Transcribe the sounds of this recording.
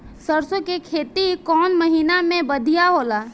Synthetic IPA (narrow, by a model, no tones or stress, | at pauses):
səɾsõkekʰeːt̪ikɔːnməɦiːnamẽbəd̪ʱijaɦoːlaː